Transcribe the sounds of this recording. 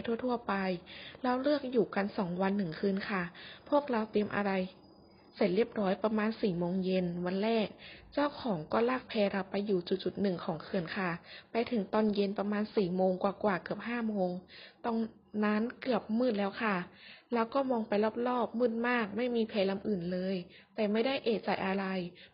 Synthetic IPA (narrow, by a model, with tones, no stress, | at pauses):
jt̪ʰu˧˥˩ət̪ʰu˥˩ɐpa˧jɾa˧wlɯ˥˩ək̚juː˨˩ka˧nsɔː˩˦ŋwa˧nːɯ˨˩ŋkʰɯː˧nkʰa˥˩pʰu˥˩ək̚ɾa˧wt̪i˧əmʔa̰˧ɾa˧j | se˨˩t̪̚ɾi˥˩əp̚ɾɔː˦˥jpɾa˧maː˧nsiː˨˩moː˧ŋje˧nwa˧nɾɛː˥˩k̚t͡ɕaː˥˩wkʰɔː˩˦ŋkɔː˥˩laː˥˩k̚pʰɛː˧ɾa˧wpːa˧jːuː˨˩t͡ɕu˨˩t̪̚t͡ɕu˨˩t̪̚nɯ˨˩ŋkʰɔː˩˦ŋkʰɯ˧˩ənkʰa˥˩pa˧jt̪ʰɯ˩˦ŋt̪ɔː˧nje˧npa˧maː˧nsiː˨˩moː˧ŋkwaː˨˩kwaː˨˩kɯ˨˩əp̚haː˥˩moː˧ŋt̪ɔ˧˩ŋ | naː˦˥nkɯ˨˩əp̚mɯː˥˩t̪̚lɛː˦˥wkʰa˥˩ɾaː˦˧˩wkɔː˥˩mɔː˧ŋpa˧jlaː˥˩p̚lɔː˥˩p̚mɯː˥˩t̪̚maː˥˩k̚ma˥˩jmiː˧pʰɛː˧la˧mʔɯː˨˩nlɤː˧j | t̪ɛː˨˩ma˥˩jda˥˩jʔeː˧˩t͡ɕa˨˩jʔa˧ɾa˧j